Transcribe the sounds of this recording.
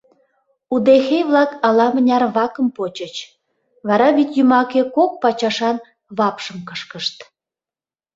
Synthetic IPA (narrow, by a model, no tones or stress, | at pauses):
ud̪exejβlɑkɑlɑmənʲɑrβɑkəmpot͡ɕət͡ɕ | βɑɾɑβit̪ʲjymɑkekok̚pɑt͡ɕɑʃɑn | βɑpʃəmkəʃkəʃt̪